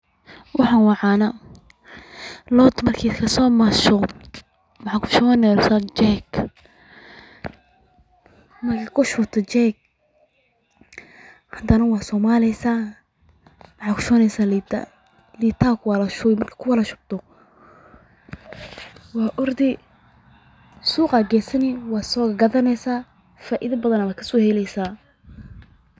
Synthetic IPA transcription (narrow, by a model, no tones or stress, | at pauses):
wʔɑħɑːnwɑʕɑːnɐ | lɔd̪mɐrkʰikʰɐsɔːmɐʃɔ | mɑħɑkʰʊ̥ʃɔːnɛɾsat͡ʃɛɡ | mɐrkʰiːkʰʊʃʊbt̪ʰɔt͡ʃɛɡ̚ | hɐd̪ɐnɐwɑːsɔːmaːlɛsaː | mʕɑːkʰʊ̥ʃɔːnɛjsaːl̰ | liːt̪ʰaːkʰwaːlɐʃɔjmɐrkʰḁkʰʊwɐlɐʃʊb̚t̪ʰɔ | wɑːʔʊrd̪ɪ | suːqaɡɛːsɐnɪwɑːsɔːɡɐðɐnɛjsaː | faːʔɪðɐbɐðɐnɐwaːkʰɐsɔːhɛlɛjsaː